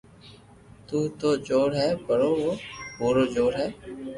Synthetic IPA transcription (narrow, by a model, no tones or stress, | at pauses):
t̪uːt̪oːd͡ʒoːɽɦɛːpəɽoːoːpoːɾoːd͡ʒoːɽɦɛː